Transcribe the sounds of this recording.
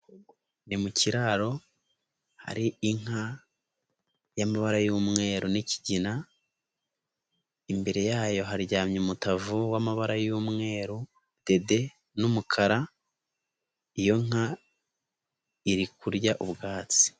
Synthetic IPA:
nimucʰiɾaɾo̞ | ha̰ɾiiŋ̥a | jamaβaɾajuːmŋe̞ːɾuniciɟina | imbe̞ɾe̞jaːjo̞ɦaɾɟaːmɲumutavuwamaβaɾajuːmŋe̞ːɾu | d̥e̞de̞ | numukʰaɾa | ijo̞ŋ̥a | iɾikuɾɟaʔubɡaːt͡si̥

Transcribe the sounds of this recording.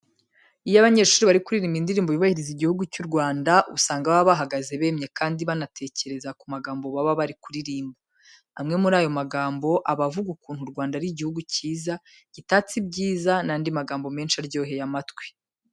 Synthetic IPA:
ijaβaɲe̞ʃuːɾiβaɾikuɾiɾiːmbindiɾiːmboβiβahiɾiziɟihuɡucuɾɡwaːndaʔusaːŋɡawaβaβaɦaɡaze̞βe̞ːmɲe̞kaːndiβanatʰe̞ːce̞ɾe̞zakumaɡaːmbo̞βaβaβaɾikuɾiɾiːmbo | amŋe̞muɾaːjo̞maɡaːmbo̞ʔaβavuɡukuːn̥huɾɡwaːndaɾiɟihuɡuciːza | ɟ̥itaːt͡sibɟiːzanandimaɡaːmbo̞me̞ːnʃaɾɟo̞ːɦe̞jamatwe̥

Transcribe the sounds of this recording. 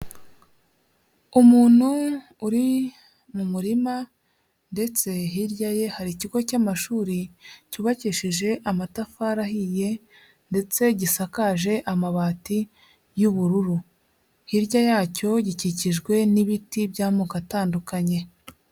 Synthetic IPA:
umuːn̥huː | ɾi | mumuɾima | nde̞t͡se̞ɦiɾɟaje̞haɾiciɡo̞camaʃuːɾicuβaciʃiʒe̞ʔamatafaɾahije̞ | nde̞t͡se̞ɟisakaʒe̞ʔamaβaːti | juβuɾuɾu | hiɾɟajaːco̞ɟiciciʒɡwe̞niβitibɟaːmukataːndukaɲe̞

